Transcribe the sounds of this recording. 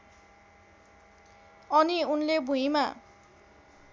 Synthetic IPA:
ʌniunlebʱuɦima

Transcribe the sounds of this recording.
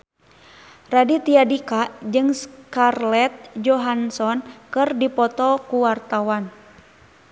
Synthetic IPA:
radit̪iadikad͡ʒɨŋskarlɛt̪̚d͡ʒɔɦansɔnkɨrdipɔt̪ɔkuwart̪awan

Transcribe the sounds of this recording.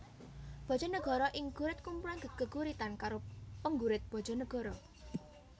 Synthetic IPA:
b̥ɔ̤̥d͡ʒɔ̤nəɡ̥ɔ̤ɾɔʔɪŋɡ̥uɾɪt̪̚kumpulanɡəɡ̥əɡ̥uɾit̪ankaɾopəŋɡuɾɪt̪̚b̥ɔ̤d̥d͡ʒ̥ɔ̤nəɡ̥ɔ̤ɾɔ

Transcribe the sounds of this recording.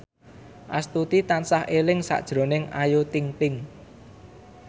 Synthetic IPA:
ʔa̰st̪ut̪it̪ansahʔelɪŋsa̰d̥ʒ̥ɾo̤nɪŋajot̪iŋp̪ɪŋ

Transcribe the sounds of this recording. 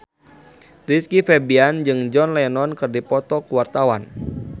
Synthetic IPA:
riskifɛbiand͡ʒɨŋd͡ʒɔnlɛnɔnkɨrdipɔt̪ɔkuwart̪awan

